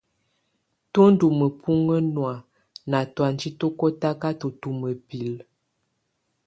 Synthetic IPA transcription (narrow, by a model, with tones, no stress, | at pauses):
to˦n̩˦du˨mə˨pʰu˦ŋə˦nwa˨ | na˨twa˨nd͡ʒi˦to˦kɔ˦ta˦ka˦to˨tu˨mə˨pi˨l